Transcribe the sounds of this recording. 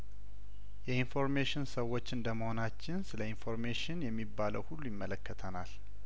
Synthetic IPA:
jɛinfo̞ɾmeʃɪnsəwːo̞t͡ʃːɨnd̪əməho̞nat͡ʃːɪnsɨləinfo̞ɾmeʃɪnjɛmːibːaləwhulːujɪmːələkːət̪ʰənal

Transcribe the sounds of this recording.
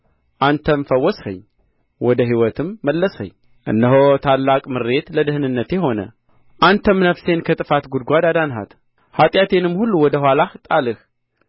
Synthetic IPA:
ʔant̪ʰəmfəwːɔshə̰ɲ | wɔd̪əɦiwɔt̪ʰɨmːəlːəshə̰ɲ | ʔɨ̰nːəɦot̪ʰalːakʼmɨɾːe̞t̪ləd̪ɨhnɨnːət̪jeɦo̞nə̰ | ʔant̪ʰəmnəfse̞nkʰət̪ʼɨfat̪ɡud̪ɡʷad̪ad̪anɦa̰t̪ | hat̪ʼjat̪ʰe̞nɨmːhulːuwɔd̪əhwalaht̪ʼalɨh

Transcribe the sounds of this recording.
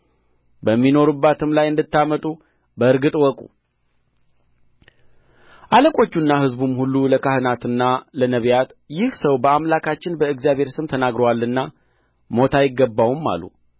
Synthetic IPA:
bəmːino̞ɾubːat̪ʰɨmlajɨnd̪ɨt̪ːamət̪ʼu | bəɨɾɡɨt̪ʼwɔkʼṵ | ʔaləkʼo̞t͡ʃːunːaɦɨzbumhulːuləkʰahɨnat̪ɨnːalənəβjat̪jɪhsəwbəamlakʰat͡ʃːɪnbəɨɡzjaβhe̞ɾsɨmt̪ʰənaɡɾəwalːɨnːa | mo̞t̪ʰajɪɡːəbːawumːa̰lːṵ

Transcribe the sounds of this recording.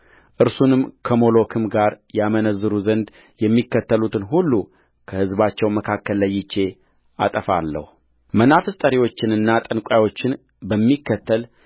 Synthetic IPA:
ʔɨɾsunɨmkʰəmo̞lo̞kʰɨmɡaɾjɛamənəzːɨɾuzənd̪ | jɛmːikːət̪ʰːəlut̪ʰɨnɦulːu | kʰəhɨzbat͡ʃːɛwməkʰakːəlːəjːɪt͡ʃːe̞ | ʔa̰t̪ʼəfa̰lːə̰hu | mənafɨst̪ʼəɾiwo̞t͡ʃːɪnɨnːat̪ʼənkʷʼawo̞t͡ʃːɪn | bəmːikːət̪ʰːəl

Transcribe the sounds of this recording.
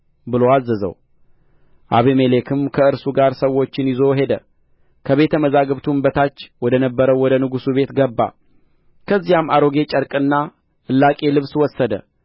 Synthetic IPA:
bɨlo̞azːəzə̰w | ʔa̰βemelekʰɨmkʰəɨɾsuɡaɾsəwːo̞t͡ʃːɪnjɪzo̞ɦe̞d̪ə | kʰəβe̞t̪ʰəməzaɡɨβt̪ʰumbət̪ʰat͡ʃːwɔd̪ənəbːəɾəwwɔd̪ənɨɡusuβe̞t̪ɡəbːa̰ | kʰəzːijamaɾo̞ɡe̞t͡ʃʼəɾkʼɨnːa | ʔɨlːakʼe̞lɨβswɔsːəd̪ə̰

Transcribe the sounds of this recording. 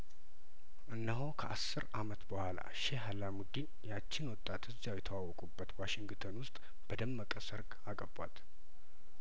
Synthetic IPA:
ʔɨnːəɦokʰəʔasːɨɾamət̪bəhʷala̰ʃeɦalamud̪injat͡ʃːɪnwɔt̪ʼːat̪ɨzːawjɛt̪ʰəwawɔkʼubːət̪waʃɪŋɡt̪ʰənwʊst̪ʼ | b̥əd̪əmːəkʼəsəɾkakʼəba̰t̪

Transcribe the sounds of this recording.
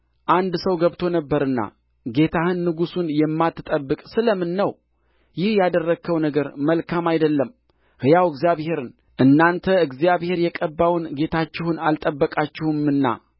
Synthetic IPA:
ʔand̪səwɡəβt̪ʰo̞nəbːəɾɨnːa̰ | ɡe̞t̪ʰahɨnːɨɡusunjɛmːat̪ʰːɨt̪ʼəbːɨkʼsɨləmɨnːəw | jɪhjad̪ərːəɡkʰːəwnəɡəɾməlkʰamajd̪əlːəm | hɨjawɨɡzijaβhe̞ɾɨn | ʔɨnːant̪ʰəɨɡzijaβhe̞ɾjɛkʼəbːawnɡe̞t̪ʰat͡ʃːɪhunalt̪ʼəbːəkʼat͡ʃːɪhɨmɨnːa̰

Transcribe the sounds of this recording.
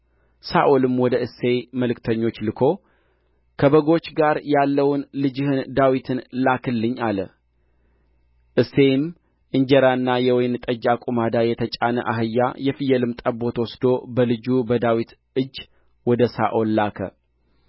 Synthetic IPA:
saʔolɨmwɔd̪əʔɨsːe̞məlɨkt̪ʰəɲːo̞t͡ʃːlɨkʰo̞ | kʰəbəɡo̞t͡ʃːɡaɾjalːəwnlɨd͡ʒɨhɨnd̪awit̪ʰɨnlakʰɨlːɨɲːalə̰ | ʔɨsːe̞jɪm | ʔɨɲd͡ʒɛɾanːajɛwɔjnt̪ʼəd͡ʒːakʼumad̪ajɛt̪ʰət͡ʃʼanə̰ʔa̰ɦɨjːa̰jɛfɨjɛlɨmt̪ʼəbo̞t̪wɔsd̪o̞bəlɨd͡ʒubəd̪awit̪ʔɨd͡ʒː | wɔd̪əsa̰ʔolːakʰə̰

